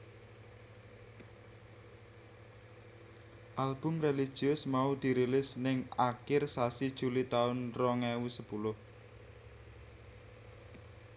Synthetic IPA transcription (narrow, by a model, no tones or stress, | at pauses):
ʔalb̥ʊ̤mreli̥ʒ̥iʊsmaud̪̥i̤ɾilɪsnɪŋakɪrsasid̥ʒ̥ṳlit̪aʊnrɔŋɛwusəpulʊh